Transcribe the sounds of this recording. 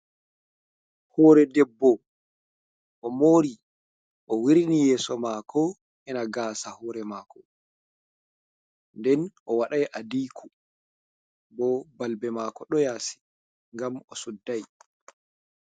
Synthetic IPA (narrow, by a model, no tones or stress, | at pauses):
hɔːɾɛdɛbːɔ | ʔɔmoːɾi | ʔɔwiɾinijɛːsɔmaːkʰɔ | ʔɛnaɡaːsahɔːɾɛmaːkɔ | ndɛnʔɔwaɗajʔadiːkʰu | bɔbalbɛmaːkɔɗɔjaːsi̥ | ŋɡamɔsudːaj